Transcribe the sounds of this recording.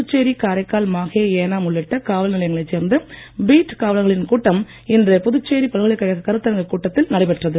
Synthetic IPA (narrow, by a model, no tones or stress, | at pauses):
pɯt͡ʃːeːɾikaːɾɐɪkːaːlmaːɣeːeːnaːmʊɭːɪʈːɐkaːʋɐlnɪlɐjɐŋɡɐɭɐɪt͡ʃseːɾnd̪ɯbiːʈkaːʋɐlɐɣɐɭɪnkuːʈːɐm | ɪndrɐpʊðɯt͡ʃːeːɾipɐlɣɐɭɐkːɐjɐɣɐkɐɾɯt̪ːɐɾɐŋɡɐkuːʈːɐt̪ːɪlnɐɽɐɪpɛʈrɐðɯ